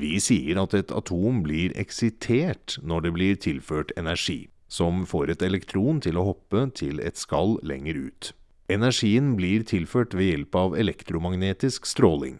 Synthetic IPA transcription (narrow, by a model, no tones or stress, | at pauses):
ʋɪsiːəɾɑt̪ɛt̪ʰɑ̰t̪ʰuːmblɪɾɛ̰ksɪt̪ʰeːʈnɔɖɛblɪɾt̪ʰɪlføːʈɛnæʂḭː | sɔmfoːɾɛt̪ɛlɛkt̪ʰɾuːnt̪ʰɪlɔhɔpːət̪ʰɪlɛ̰t̪skɑllɛ̰ŋːəɾʉ̰ːt̪ | ɛnæʂiːənbliːɾt̪ʰɪlføːʈʋejɛlpɑʋɛlɛkt̪ɾʊmɑɡneːt̪ɪskst̪ɾoːlɪ̰ŋ